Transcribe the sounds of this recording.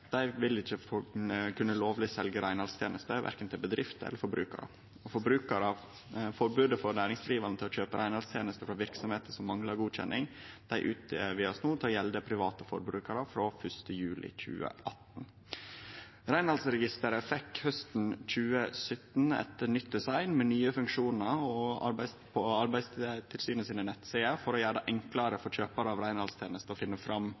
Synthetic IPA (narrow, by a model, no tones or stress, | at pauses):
d̪̥æɪʋɪlɪçəfkʰʉnːəloːʋlɪsɛlɡəɾæɪnɑlst̪ʰjeːnəst̪əʋæ̰ɾkənt̪ʰɪlbəd̪ɾɪft̪ɛ̰lːəɾfɔɾbɾʉːkə̰ɾə̰ | ɔfɔɾbɾʉːkəɾə | fɔɾbʉːd̪əfɔɾnæːɾɪŋsd̪ɾiːʋɑɾnət̪ʰlɔçøːpəɾʔæɪnɑlst̪ʰjeːnəst̪əfɾɑʋɪɾksɔmheːt̪əsɔmːɑŋlɑɾɡuːc͡çɛ̰nʔɪŋd̪̥æɪʔʉːt̪̚ʋɪːɑsnuːt̪ʰɪlːjɛld̪əpʰɾɪʋɑːt̪əfɔ̰ɾbɾʉːkəɾəfɾoːfœʂt̪əjʉːlʔɪ̰c͡çʉ̰ːə̰ʔɑt̪n̩ | ɾæɪnhɑlsɾɛɡɪst̪əɾəfɛkhœst̪n̩c͡çʉːəsœt̪n̩ɛ̰t̪ənʏt̪̚d̪ɛsɑɪnmɛnyːəfʉŋkʂuːnəɾɔɑ̰ɾbæɪspʰoɑɾbæɪst̪ʰɪlsyːnəsiːnənɛt̪ːseːəfɔɾɔjæːɖɑʔɛŋkləɾəfɔɾçøːpəɾəɑːʋɾæɪnhɑlst̪ʰjeːnəst̪əɔfɪnːəfɾɑm